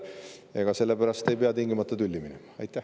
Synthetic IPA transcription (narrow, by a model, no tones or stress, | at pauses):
eɡ̥ɑse̞lːe̞pæɾɑst̪e̞jpeɑt̪iŋɡ̥imɑt̪ːˑɑt̪ulʲːiminemɑɑjt̪ˑːæ